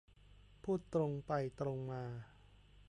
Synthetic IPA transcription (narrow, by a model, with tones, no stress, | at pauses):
pʰuː˥˩t̪ːɾo˧ŋpa˧jt̪ɾo˧ŋmaː˧